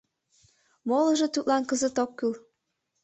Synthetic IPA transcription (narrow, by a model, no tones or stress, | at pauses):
molə̆ʒɤ̆t̪ut̪lɑnkəzət̪okːyl